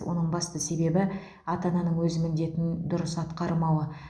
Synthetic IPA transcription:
wo̞̰nəɴbɑst̪əse̞be̞bɪ | ɑt̪ɑnɑnəɴwɵzɪmɪnd̪e̞t̪ɪnd̪ʊɾəsɑt̪qɑɾəmɑwə

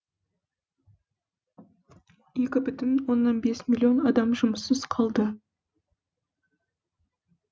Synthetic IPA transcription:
je̞kʲɪbʏt̪ɪnwo̞nːɑnbe̞smʲilʲˠio̞nɑd̪ɑmʒʊməsəzqʰɑlˠd̪ə

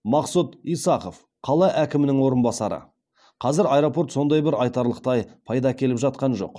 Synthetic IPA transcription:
mɑqsut̪ijsɑqo̞f | qʰɑlˠɑʔækʲɪmɪnɪŋwo̞ɾənbɑsɑɾə̰ | qʰɑzɪɾɑjɾo̞po̞ɾt̪so̞nd̪ɑjbɪɾɑjt̪ɑɾlˠəqt̪ɑjpʰɑjd̪ɑkʲʰe̞lɪpʒɑt̪̚qɑnʒo̞̰q

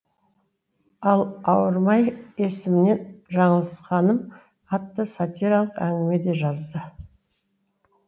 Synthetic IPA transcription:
ɑlˠɑwəɾmɑjesɪmɪne̞nʒɑɴəlˠəsqɑnəm | ɑt̪ːəsat̪iɾalˠəqæŋɡʲɪme̞d̪e̞ʒɑzd̪ə

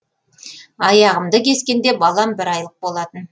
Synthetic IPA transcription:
ɑjɑʁəmd̪əkʲʰe̞skʲe̞nd̪e̞bɑlˠɑmbɪɾɑjlˠəq̚bo̞lˠɑt̪ən

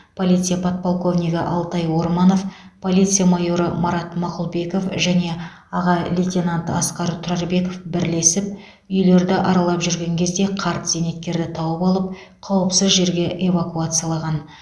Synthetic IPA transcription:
pʰo̞lʲijt̪sɨjapʰot̪̚polˠko̞vnʲijɡəʔɑlˠt̪ɑjwo̞ɾmɑno̞fpʰo̞lʲijt̪sɨjamajo̞ɾəmaɾɑt̪mɑqʊlˠbe̞ko̞fʒæne̞ | ɑʁɑlʲit̪ʲenant̪ɑsqɑɾt̪ʰʊɾɑɾbe̞ko̞fbɪɾle̞sɪp̚ | ʏjle̞ɾd̪ɪʔɑɾɑlˠɑpʒʏɾɡʲe̞ŋkʲʰe̞zd̪e̞qʰɑɾt̪z̥eme̞t̪̚kʲe̞ɾd̪ɪt̪ʰɑwəpɑlˠəp̚ | qʰɑwəpsɪzʒe̞ɾɡʲe̞ʔe̞vakuat̪sɨjalˠɑʁɑn

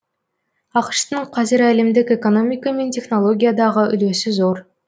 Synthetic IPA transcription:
ɑqʃt̪əɴqʰɑzɪɾælɪmd̪ɪke̞ko̞no̞mʲijkame̞ntʲe̞χno̞lˠo̞ɡʲijad̪ɑʁəʔʏ̰løsɪzo̞ɾ

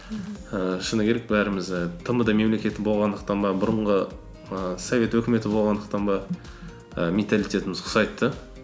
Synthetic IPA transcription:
əʃənəkʲʰe̞ɾek̚bæɾɪmɪzt̪ʰəməd̪ɑme̞mle̞kʲe̞t̪ɪbo̞lˠʁɑnd̪əq̚t̪ɑnbɑbʊɾəɴʁə | əsovʲe̞t̪wɵkʲɪme̞t̪ɪbo̞lˠʁɑnd̪əq̚t̪ɑnbɑ | əmʲent̪alijt̪ʲe̞t̪ɪmɪzqʰʊ̥sɑjt̪ːə

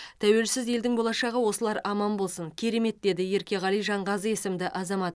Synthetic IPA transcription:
t̪ʰæwe̞lsɪze̞ld̪ɪŋbo̞lˠɑʃɑʁəwo̞səlˠɑɾɑmɑnbo̞lˠsəŋkʲʰe̞ɾe̞me̞t̪̚d̪e̞d̪ɪje̞ɾkʲe̞ʁɑlijʒɑɴʁɑzəje̞sɪmd̪ɪʔɑzɑmɑt̪

